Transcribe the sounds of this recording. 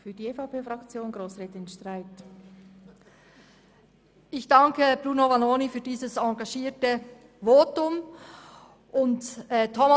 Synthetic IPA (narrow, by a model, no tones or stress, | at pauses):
fyːɐdiːefɑpeːfʁɑkt͡sjoːnɡɾoːsʁɛːtɪnʃtʁaɪt | ʔɪçd̥ɑŋkəb̥ʁuːnovɑnoːnifyːdiːzəsɑɡɑʃiːtə | voːtʊm | ʔʊntɛtʰːɔm